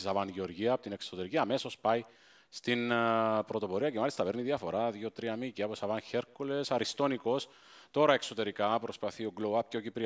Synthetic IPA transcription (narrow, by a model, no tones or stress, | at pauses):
isɐvɐnʝeo̞ɾʝiɐːpot̪inekso̞t̪e̞ɾiciɐːme̞so̞spɐj | st̪inpɾo̞t̪o̞po̞ɾiɐcemɐlist̪ɐpe̞ɾniðiɐfo̞ɾɐðʝo̞t̪ɾiɐmiciɐposɐvɐnçe̞ɾkole̞sɐɾist̪o̞niko̞s | t̪o̞ɾɐe̞kso̞t̪e̞ɾikɐpɾo̞spɐθio̞ɡloɐp̚ceocipɾi